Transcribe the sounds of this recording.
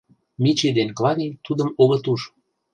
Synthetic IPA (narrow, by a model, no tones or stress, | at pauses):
mit͡ɕed̪enklɑɾit̪ud̪əmoɣɤ̆t̪uʃ